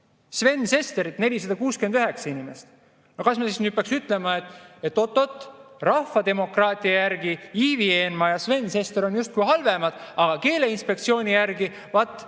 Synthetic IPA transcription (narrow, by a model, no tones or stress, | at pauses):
sve̞nːse̞st̪e̞ɾit̪ne̞lʲisɑd̪ɑkuːskyend̪yɦe̞ksɑinimest̪ | no̞kɑsmɑsisnyːd̪̚pɑːˑksyt̪ːˑle̞mɑet̪ˑːet̪ːˑo̞t̪ːˑo̞t̪ːˑ | rɑhfːɑd̪e̞mo̞krɑːt̪ʲˑiɑjærɡiiːvie̞ːnmɑjɑsve̞nːse̞st̪e̞ɾo̞njust̪kujhɑlve̞mɑd̪̥ɑɡ̥ɑke̞ːle̞inspe̞kt̪sio̞ːnʲijærɡi | vɑt̪ːˑ